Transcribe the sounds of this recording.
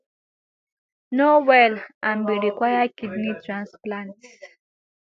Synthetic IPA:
nowɛlãnbiɹikwajakidnitʰɹãnsplãnts

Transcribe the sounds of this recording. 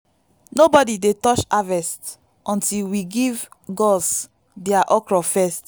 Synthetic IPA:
nobɔdidetɔt͡ʃavɛst | ʔɔ̃ntilwiɡivɡɔs | deaʔɔkɹɔfɛst

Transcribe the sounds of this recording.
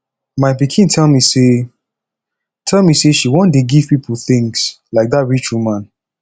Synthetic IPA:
maɪpikʰĩntʰɛlmise | tʰɛlmiseʃiwɔ̃ndeɡiv̥pipʰuθĩŋslaɪk̚datɹit͡ʃulmãn

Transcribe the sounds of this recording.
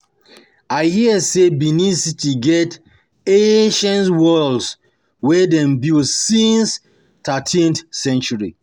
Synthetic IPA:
aɪhiəsebinisitʰiɡɛt | eʃãnswɔlds | wɛdɛ̃mbilsĩns | tatʰĩnθsɛ̃nt͡ʃuɹi

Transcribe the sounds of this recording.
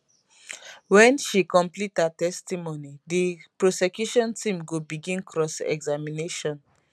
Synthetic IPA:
wɛ̃nʃikɔ̃mplithatɛstimonidipɹosɛkjuʃɔ̃ntĩmɡobiɡĩnkʰɹɔsɛ̰ɡzamineʃɔ̃n

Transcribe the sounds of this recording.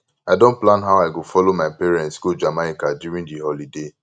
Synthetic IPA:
aɪdõnt̚planɦawaɪɡofɔlomaɪpeɾɛ̃ntsɡod͡ʒamaɪkadjuɾĩŋdiɦɔlide

